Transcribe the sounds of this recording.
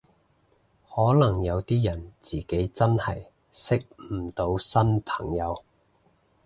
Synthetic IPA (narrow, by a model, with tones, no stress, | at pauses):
hɔː˨˥lɐ˨˩ŋjɐ˨˧wt̪iː˥jɐ˨˩nt͡siː˨ke˨˥jt͡sɐ˥nhɐ˨j | sɪ˥k̩̚˨˩t̪o˨˥wsɐ˥npʰɐ̥˨˩ŋjɐ˨˧w